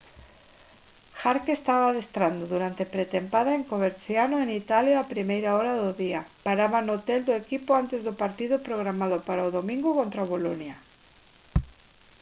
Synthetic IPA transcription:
xaɾkest̪aβaðest̪ɾand̪ʊðuɾant̪epɾet̪empaðaeŋkoβeɾθjanʊenit̪aljaapɾimejɾaɔɾaðʊðiapaɾaβanot̪eld̪ʊekipʊant̪ezðʊpaɾt̪iðʊpɾoɣ̞ɾamaðʊpaɾaʊðomĩŋɡʊkont̪ɾaβolonja

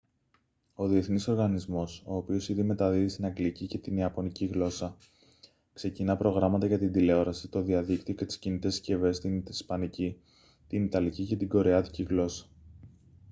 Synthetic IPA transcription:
o̞ðie̞θniso̞ɾɣɐnizmo̞so̞ːpio̞siðime̞t̪ɐðiðist̪inɐŋɡlicice̞t̪iniɐpo̞niciɣlo̞sɐ | kse̞cinɐpɾo̞ɣɾɐmɐt̪ɐʝɐt̪ind̪ile̞o̞ɾɐsit̪o̞ðiɐðikt̪io̞ce̞t̪i̥scinit̪e̞sce̞ve̞st̪inspɐnici | t̪init̪ɐlicice̞t̪iɡo̞ɾe̞ɐt̪iciɣlo̞sɐ̥

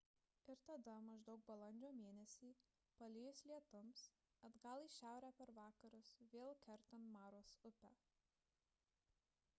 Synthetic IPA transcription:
ɪɾt̪ɐd̪ɐmɐʒd̪ɒʊk̚bɐlˠɐnʲd͡ʒʲoːmʲeːnʲɛsʲiː | pɐlʲɪjʊslʲiɛt̪ʊms | ɐd̪ɡɐlˠiːʃʲæˑʊɾʲæːpʲɛɾʋɑːkɐɾʊsʋʲeːlˠkʲɛɾt̪ɐnmɑːɾoːsʊpʲæ

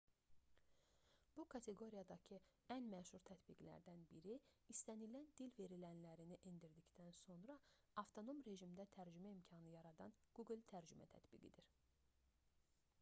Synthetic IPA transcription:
b̥ukʰɑt̪ʰe̞ɡo̞ɾijɑd̪ɑcʰiænmæʃuɾt̪ʰæt̪biɡlæ̰ɾd̪ænbiɾiːst̪ænilænd̪ilve̞ɾilænlæɾiniʔind̪iɾd̪icd̪ænso̞nɾɑ | ɑft̪ʰo̞no̞mɾe̞ʒimd̪æt̪ʰæɾd͡ʒymæimcʰɑnɯjɑɾɑd̪ɑnɡ̥uɡlˠt̪ʰæɾd͡ʒymʔæ̰t̪ʰæ̰t̪bḭɡḭd̪iɾ

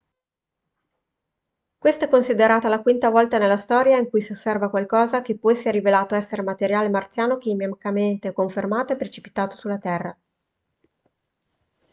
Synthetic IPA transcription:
kwest̪aɛkːonsid̪eɾaːt̪alakwint̪avɔlt̪anelːast̪ɔːɾjaiŋkujsiosːɛrvakwalkɔːzakepːɔisiɛrːivelaːt̪oɛsːeɾemat̪eɾjaːlemart̪sjaːnokeimamikament̪ekoɱfermaːt̪oepːɾet͡ʃi̥pi̥t̪aːt̪o̥sulːat̪ɛrːa

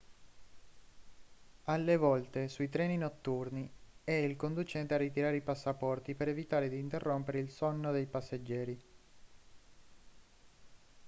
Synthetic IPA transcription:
alːevɔlt̪esuit̪ɾɛːninot̪ːurniɛilkond̪ut͡ʃɛnt̪earːit̪iɾaːɾeipasːapɔrt̪ipeɾevit̪aːɾed̪iːnt̪erːompeɾeilsɔnːod̪ejpasːed͡ʒːɛːɾi

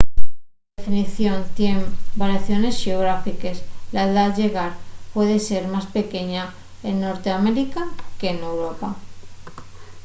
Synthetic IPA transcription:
ðefiniθjo̞nt̪je̞ŋbaɾjaθjo̞ne̞sʝeoɣ̞ɾafikeslaeðaʝe̞ɣaɾpwe̞ðe̞se̞ɾmaspe̞ke̞ɲa | enːo̞ɾt̪eameɾikake̞ːne̞wɾo̞pa

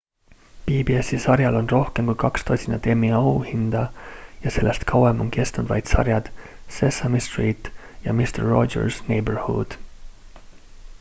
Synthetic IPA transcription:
piːbiesisɑɾjɑlo̞nro̞hkemkujkɑkst̪osʲinɑt̪e̞miɑuhind̪̥ɑjɑse̞lːest̪kʰɑwemo̞nke̞st̪nud̪vɑ̰jd̪̥sɑ̰ɾjɑd̪̥se̞sɑmist̪riːt̪ːˑjɑ̰mist̪erːo̞d͡ʒḛɾsne̞jberhṵd̪̥

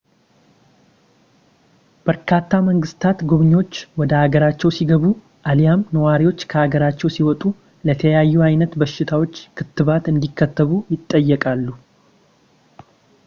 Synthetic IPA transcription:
b̥əɾkʰat̪ːaməŋɡɨst̪ʰat̪ɡuβɨɲːo̞t͡ʃːwɔd̪əaɡəɾat͡ʃːɛwsiɡəβu | ʔalijamnəwaɾiwo̞t͡ʃːkʰəaɡəɾat͡ʃːɛwsiwɔt̪ʼu | lət̪ʰəjajːuajnət̪bəʃːɪt̪ʰawo̞t͡ʃːkʰɨt̪ːɨβat̪ɨnd̪ikːət̪ːəβujɪt̪ʼːəjːɛkʼalːu

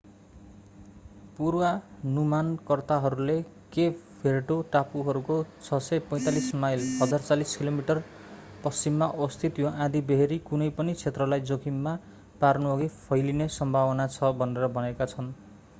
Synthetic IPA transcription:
puɾwanumankʌrt̪aɦʌɾule | kepʰeɾʈoʈapuɦʌɾukot͡sʰʌsʌjpʌj̃t̪alismajlɦʌd͡zart͡saliskilomiʈʌr | pʌst͡simːaʔʌst̪ʰit̪joʔãd̪ibeɦeɾikunʌjpʌnit͡sʰet̪rʌlajd͡zokimma | parnuʌɡipʰʌjlinesʌmbʱawʌnat͡sʰʌbʱʌneɾʌbʱʌnekat͡sʰʌn

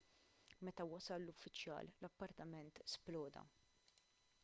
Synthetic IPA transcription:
mɛt̪ɐwɐsɐlːʊfːɪt͡ʃjɐ̰ːllɐpːɐɾt̪ɐmɛnt̪splɔːd̪ɐ̰

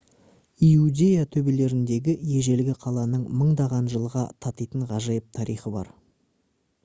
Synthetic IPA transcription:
iud̪ʲe̞jat̪ʰɵbe̞le̞ɾɪnd̪e̞ɡʲɪje̞ʒe̞lɡʲɪqʰɑlˠɑnəɴməɴd̪ɑʁɑnʒəlˠʁɑ̰t̪ʰɑt̪ijt̪əɴʁɑʒɑjəp̚t̪ʰɑɾijχəbɑ̰ɾ

